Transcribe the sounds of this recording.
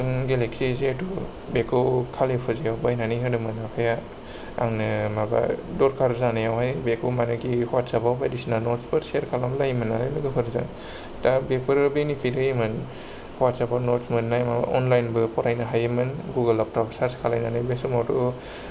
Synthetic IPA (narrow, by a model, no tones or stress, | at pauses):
ɯŋɡeleksizeatu | bekɯwkʰalepʰɯzijawbajnaniɦɯdɯmɯnakʰaja | a̰ŋnɯmaba̰dɔɾkʰaɾzanɯjawhajbekɯwmanɯkihɔwatsabawbajdisinanɔtspɯɾseɾkʰalamlajmanalajlɯɡɯpʰɯɾzaŋ | tabepʰɯɾbenipʰiɾɯjimɯn | hɔwat̚sabanɔtsmɯnnːajmaba̰ʔɔnlajnbɯpɔɾajnaɦajɯmɯnɡuɡalap̚tabsaɾskʰalajnanɯjbesumawtu